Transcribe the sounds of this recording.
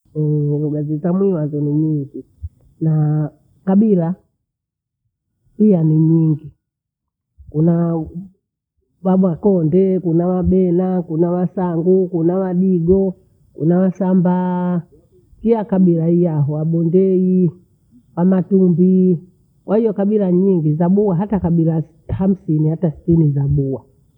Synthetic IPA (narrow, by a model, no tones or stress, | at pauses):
ɛuɡazitamwiwazɔniɲiŋɡi | na | kaɓila | ijaniɲiŋɡi | kuna | waɓwakɔndɛkunawaɓɛnakunawasaŋɡukunawaɗiɡɔ | kṵnawasamba | kilakaɓilaijaɦɔwaɓɔndɛi | wamatumbi | kwahijɔkaɓilaɲiŋɡizaɓuwaɦatakaɓila | ham̩sinihatasi̥tinizaɓuwa